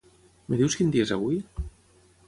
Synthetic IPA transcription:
meðiwskind̪iezaβui

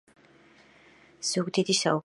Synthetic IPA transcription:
z̥uɡd̪id̪isau

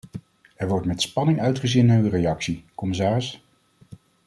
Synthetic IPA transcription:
ɛɹʋɔɹtmɛtspɑnɪŋœɥtχəzinaːɹyrejɑksikɔmɪs̬aːrɪs

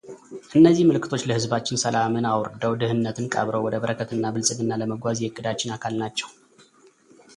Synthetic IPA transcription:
ʔɨnːəzːihməlɨkʰːɨ̥t̪ʰo̞t͡ʃːləhɨzbat͡ʃːɪnsəlamɨnawɾd̪əwd̪ɨhɨnːət̪ʰɨnkʼə̰βɾəwɔd̪əβəɾəkʰət̪ɨnːabɨlsʼɨɡɨnːaləməɡʷazhɨkʼːɨd̪at͡ʃːɪnakʰalnat͡ʃːɛw

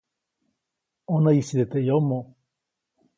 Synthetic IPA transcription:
onaisid̪et̪ejomːo

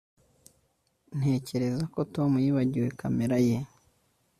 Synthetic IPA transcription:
n̥he̞ːce̞ɾe̞zako̞to̞mujiːβaɟiwe̞kame̞ɾaje̞

